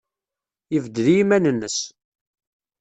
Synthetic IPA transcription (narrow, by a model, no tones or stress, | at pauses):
jəvd̪lijimænənːəs